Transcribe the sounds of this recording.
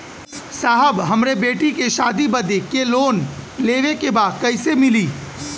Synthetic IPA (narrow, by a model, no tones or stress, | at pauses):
saːɦəbɦɐmɾebeːʈikeʃaːd̪ibɐd̪ekeloːnleːʋekebaːd̪kɐɪsemɪliː